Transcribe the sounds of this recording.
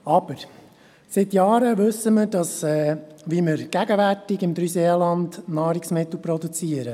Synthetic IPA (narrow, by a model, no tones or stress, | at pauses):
ɑb̥əɾ | sɪt̪jɑːɾəʋɵsːəməɾd̥ɑsɛːʋiməɾɡ̥æɡəʋærtɪɡɪmd̥̪ɾyseːlɑndnɑːɾɪksmɪt̪l̩ˠpɾɔd̪ut͡siːəɾə